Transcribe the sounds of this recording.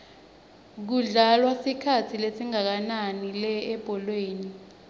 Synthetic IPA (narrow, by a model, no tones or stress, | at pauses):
k̬uɮalwasikʰatʰilesiŋak̬ananilɛɛb̥ʱɔlweːni